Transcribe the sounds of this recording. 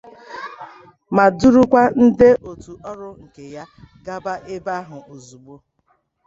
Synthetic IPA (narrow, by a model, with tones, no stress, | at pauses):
ma˨du˦ɾu˦kʷa˦n̩˦dɪ˦ʔo˨tu˨ʔɔ˦ɾʊ˦ŋ̩˨ke˨ja˦ɡa˦ba˦ʔe˦ba˦ɦʊ˨o˨zu˨ɡ͡bo˦